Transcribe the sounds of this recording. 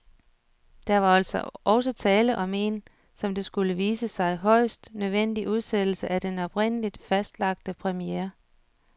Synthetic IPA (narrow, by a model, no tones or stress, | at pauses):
d̥ɑʋɑ̈æl̰sɒʔɒ̽ʊsɒt͡sʰɛːləʔɒ̽me̝n | sɒ̽md̥e̝sɡ̥uləʋiːsəsɑ̈ɪɦɒ̽ɪ̰sd̥nøðˠʋen̰d̥iʔuð̞ˠsed̥l̩səʔæd̥enɒ̽b̥ʁen̰əlid̥fæsd̥lɑ̈ɡ̥̚d̥əpʰʁɛmieːɐ